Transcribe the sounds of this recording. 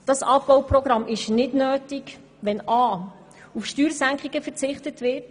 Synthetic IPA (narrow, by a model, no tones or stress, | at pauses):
d̥ɑsɑp̚b̥ɔwprɔɡɾɑmʔɪʃnɪdnøːtɪɡ | ʋɛnɑː | ufʃtyːɾsæŋkχiɡ̥əfəɾt͡sɪχtətʋɪrt